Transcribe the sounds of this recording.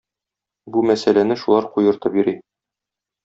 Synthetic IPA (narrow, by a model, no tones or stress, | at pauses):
bumæsælænɘʃulˠɑɾqujɤ̆ɾt̪ɤbiɾi